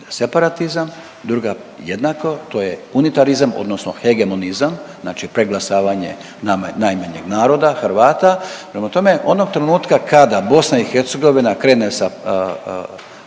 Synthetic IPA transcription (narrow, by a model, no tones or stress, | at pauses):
se̞paɾat̪izam | d̪ɾuɡa | jed̪nako̞t̪o̞jeunit̪aɾizamo̰d̪no̞sno̰xeɡe̞mo̞nizamznaːt͡ʃipɾeɡlˠasaːʋaɲe̞̰ | naanajmaɲḛɡnaːɾo̞d̪axɾʋaːt̪apɾemat̪o̞me̞ʔo̞no̞ɡ̚t̪ɾenuːt̪kakad̪abo̞snaixeɾt̪se̞ɡo̞ʋinakɾe̞ːnesa